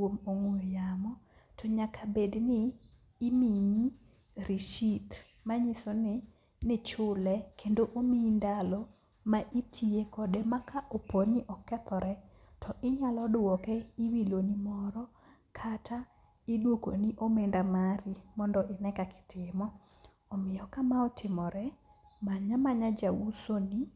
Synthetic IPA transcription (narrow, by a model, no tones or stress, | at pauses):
womoŋwoejamɔ | tʰɔɲakʰabednɪː | mi | ɾiʃit | maɲisonɪ | nɛt͡ʃʊlɛkʰendoʔomindalɔ | maʔitʰiekɔdemakaʔoponɪʔɔkɛt̪ɔɾɛ | tʰɔʔɪɲalɔdʊwɔkɛiwilonimɔɾɔ | kʰatʰa | idwoko̰niʔomendamaɾimɔndɔʔɪnɛkakɪ̥tʰɪmɔː | mɪjɔkamaɔtʰɪmɔɾɛ | maɲamaɲad͡ʒawusoni